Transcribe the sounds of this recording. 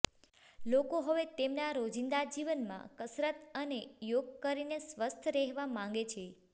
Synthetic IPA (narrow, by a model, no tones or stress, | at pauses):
lokoɦəʋet̪emnaɾod͡ʒind̪ad͡ʒiʋənmã̰kəsɾət̪ənejoɡ̚kəɾinesʋəst̪ʰɾɛɦʋamãŋ̆ɡet͡ʃʰe